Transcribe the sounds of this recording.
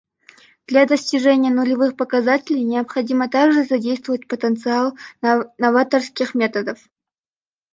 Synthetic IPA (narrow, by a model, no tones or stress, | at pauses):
d̪̥lʲad̪əsʲtʲɪʐɛnʲɪjənʊlʲɪvɨxpəkɐzatʲɪlʲɪjnʲɪəpχɐdʲimət̪aɡʐɨzɐdʲejst̪vəvətʲpət̪ənt̪sɨalˠnɐvat̪ərskʲɪxmʲe̞t̪əd̪əf